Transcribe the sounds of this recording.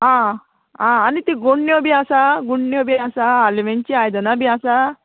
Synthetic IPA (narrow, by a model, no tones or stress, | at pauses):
ɦã | ãːnit̪iɡoɳːjobiasaɡuɳːjobiasaːliʋeɲt͡ɕiajd̪ənabʱiasa